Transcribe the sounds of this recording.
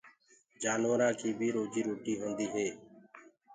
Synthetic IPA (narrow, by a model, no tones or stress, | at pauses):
d͡ʒaːnʋəɾãːkʰiːbʱiːɾoːd͡ʒiːɾoːʈiːɦõːnd̪iːɦeː